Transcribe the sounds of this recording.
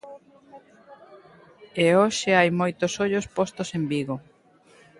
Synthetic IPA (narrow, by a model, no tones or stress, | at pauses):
eoʃɪajmojt̪osoʎospost̪osembiɣo